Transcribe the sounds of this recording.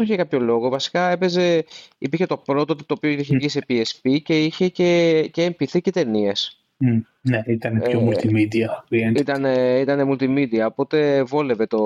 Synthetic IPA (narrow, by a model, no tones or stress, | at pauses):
oçekɐpço̞lo̞ɣo̞vɐsi̥kɐe̞pe̞ze̞ipiɾçe̞t̪o̞pɾot̪oot̪et̪oːpioiiçevʝise̞piespice̞içe̞ce̞ceːmpiθice̞t̪e̞nie̞s | neit̪ɐneçomult̪imid̪iɐvienit̪ɐneit̪ɐnemult̪imid̪iɐopo̞t̪e̞vo̞le̞ve̞t̪o̞